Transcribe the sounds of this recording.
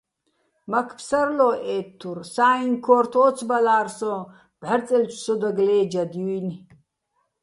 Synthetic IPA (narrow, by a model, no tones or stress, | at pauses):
makʰpʰsarlɔʔɛːt̪ʰːursaːinkʰɔɾt̪ʰɔːt͡sʰbalaːrsɔ | b̥ʕaɾt͡sʼɛlt͡ʃʷʰʼsɔd̪aɡlɛːd͡ʒad̪iwin